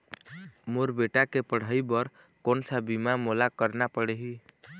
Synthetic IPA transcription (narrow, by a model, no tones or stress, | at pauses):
moɾbeʈakepəɽ̤əjbəɾ | konsabimamolakəɾnapəɽeɦi